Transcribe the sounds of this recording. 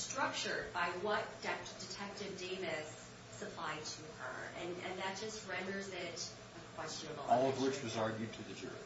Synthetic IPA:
stɹ̥ʌk̚t͡ʃə˞d̚baɪwʌt̚d̥ɛd̥ɨtʰɛk̚tɨvdeɪvɪsː | ɨpʰl̥aɪdtʰɨə̰˞ɨ̰̃nɨ̰̃nðɨt̚d̥ʒ̥ʌst̚ɹɛ̃ndə˞zɪɾ | ɨ̃kʰw̥ɛst͡ʃɨnəbl̩ˠɔlˠʌvwɪt͡ʃwɨzɑɹɡjʉtʰɨðɨd͡ʒʊ̰ɹḭ

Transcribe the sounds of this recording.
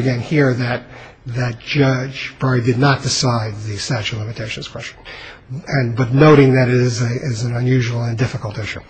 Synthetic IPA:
ɨɡɛ̃nhiɹðɨt̪̚ | ðɨt̚d̥ʒ̥ʌd͡ʒb̥ɹaɪdɨdⁿnət̚d̥ɨsaɪd̪̚ðɨstæt͡ʃʉlɪ̃mɨtʰeɪʃn̩z̥kʰw̥ɛst͡ʃn | ɨ̃nbʌtⁿnoʊɾɪ̃ŋðɨɾɪzɪzɨ̃nə̃njʉʒwl̩ˠə̃ndɪfəkl̩ˠtɪʃʉ̰

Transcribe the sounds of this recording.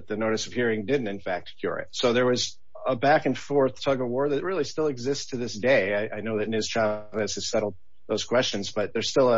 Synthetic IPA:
t̪̚ðɨnoʊɾɨsʌv̥hiɹɪ̃ŋdɪdⁿn̩tɨ̃nfæk̚t̚kʰj̥ʊ̰ɹɨ̰tsoʊðə˞wʌz | əbækɨ̃nfɔɹθtʰʌɡəwɔɹðɨt̚ɹɪlˠistɪlˠɨɡzɪsstʰɨðɪsd̥eɪaɪʔaɪnoʊðɨtⁿnɪz̥tʰɹ̥ævl̩ˠɨz̥ʰɨ̥sɛɾl̩ˠd̪̚ | ðoʊz̥kʰw̥ɛst͡ʃɨ̃nzb̥ʌt̪̚ðə˞z̥stɪlˠə

